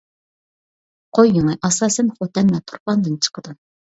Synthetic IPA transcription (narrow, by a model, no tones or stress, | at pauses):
qʰojːuŋɨʔɑsɑːsɛnχot̪ɛnmɛt̪ʰʊ̥ɾpɑnd̪ɨnt͡ʃʰə̥qʰəd̪ɨ